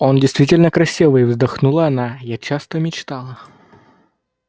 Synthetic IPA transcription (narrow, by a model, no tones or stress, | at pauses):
ondʲɪjst̪vʲitʲɪlʲnəkɾɐsʲivɨjvzd̪ɐxnulˠəɐnajat͡ɕast̪əmʲɪt͡ɕt̪alˠə